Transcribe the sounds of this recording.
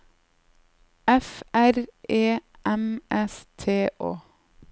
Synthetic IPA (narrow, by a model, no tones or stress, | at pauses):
ɛfæɾʔeː | ʔɛmʔɛst̪ʰeːʔoː